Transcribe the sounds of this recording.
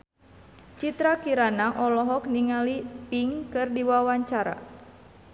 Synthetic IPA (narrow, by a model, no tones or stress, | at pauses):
t͡ʃit̪ɾakiɾanaʔɔlɔɦɔkniŋalipiŋkɨrdiwawaɲt͡ʃaɾa̰